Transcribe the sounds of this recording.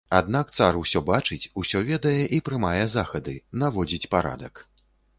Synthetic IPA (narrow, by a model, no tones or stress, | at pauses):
ad̪nakt̪sarusʲɔbat͡ʂɨt͡sʲusʲɔvʲɛd̪ɐjɛʔipɾɨmajɛzaxɐd̪ɨnavɔd͡zʲit͡sʲpaɾa̰d̪ɐk